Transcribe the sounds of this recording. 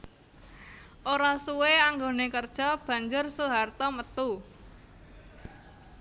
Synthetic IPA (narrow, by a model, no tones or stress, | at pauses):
ʔoɾasuweaŋɡonekərd̥ʒ̥ɔ̤b̥ä̤ɲd͡ʒʊrsuɦart̪ɔmət̪u